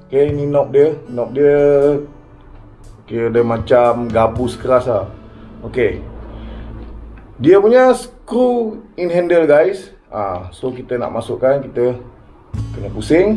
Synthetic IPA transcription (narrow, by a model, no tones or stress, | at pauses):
okeninɔp̚diənɔp̚diə | kiədəmat͡ʃamɡabʊskəɾasa | oke | diəpuɲasəkɾuinɦɛndəlɡajs | a̰sokit̪əna̰ʔmasʊʔkankit̪ə | kənəpusɪŋ